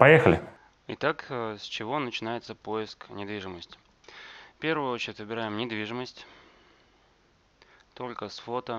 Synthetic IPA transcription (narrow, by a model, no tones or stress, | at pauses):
pɐjexəlʲɪ | ɪt̪aksʲt͡ɕɪvo̞nət͡ɕɪnajɪt̪səpo̞jɪsknʲɪd̪vʲiʐɨməsʲtʲ | fpʲe̞ɾvʊjʊo̞t͡ɕɪɾʲɪtʲvɨbʲɪɾajɪmnʲɪd̪vʲiʐɨməsʲtʲ | t̪o̞lʲkəsfo̞t̪ə